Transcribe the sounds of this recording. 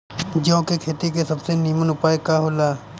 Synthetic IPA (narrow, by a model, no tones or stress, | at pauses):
d͡ʒoõkekʰeːt̪ikesɐbseniːmənʊpaːekaɦolaː